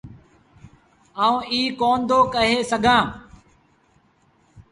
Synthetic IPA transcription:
aːũːiːkoːnd̪oːkəɦeːsəɡʱãː

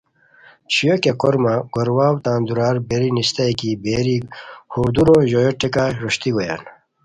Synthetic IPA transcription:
t͡ɕijokeqoɾmaɡoɾwaːwt̪aːnd̪uɾaːɾbeɾinist̪ajkibeɾihuɾd̪uɾoʑojoʈekaɾoɕt̪iɡoja̰ːn

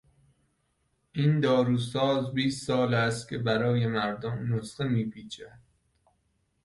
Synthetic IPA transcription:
ʔind̪ɒːɾuːsɒːzbiːst̪sɒːlæst̪̚kʲʰe̞bæɾɒːje̞mæɾd̪omːosχemiːpʰiːt͡ʃʰæ

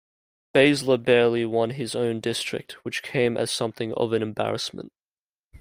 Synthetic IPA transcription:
b̥eɪzləbɛɹlˠiwʌ̃nɪzə̃ʊ̃ndɪstɹ̥ɪ̰k̚t̚wɨt͡ʃkʰẽɪ̃mʔɨ̰z̥sʌ̃mθɪ̃ŋʌ̰vɨ̃nɨ̃mbæ̰ɹɨsmə̰̃nt

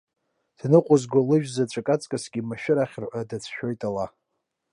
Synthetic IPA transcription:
d̥nɨqʷʼʊzɡʷalɨʒᶣzat͡ʃʷʼakʼat͡sʼkʼasɡʲimaʃᶣɪɾaχʲrħʷadat͡sʰʃᶣojtʼala

